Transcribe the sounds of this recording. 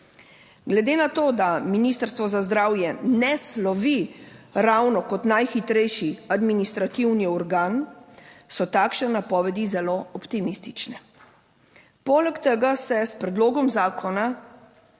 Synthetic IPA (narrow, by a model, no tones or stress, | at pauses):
ɡlɛd̪eːnat̪oːd̪aminist̪əɾst̪ʋɔzazd̪ɾaːwjɛnɛslɔʋiɾawnɔkɔt̪najxit̪ɾɛjʃiad̪minist̪ɾat̪iwniɔɾɡaːn | sɔt̪aːkʃɛnːapɔːʋɛd̪izɛloɔpt̪imist̪it͡ʃnɛ | poːlɛkt̪ɛɡasɛspɾɛd̪loːɡɔmzaːkʰɔna